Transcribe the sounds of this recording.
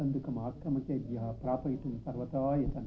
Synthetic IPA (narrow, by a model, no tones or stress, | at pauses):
ɐnd̪ɯkːɐmaːkɾɐmɐked̪jɐɦɐpɾaːpɐjiʈ̪ːumsɐɾʋɐt̪ɐʋaːjɐt̪ɐn